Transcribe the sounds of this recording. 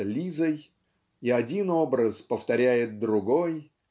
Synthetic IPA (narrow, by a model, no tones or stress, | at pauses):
lʲizəj | iɐdʲino̞bɾəspəft̪ɐɾʲæjɪt̪̚d̪ɾʊɡo̞j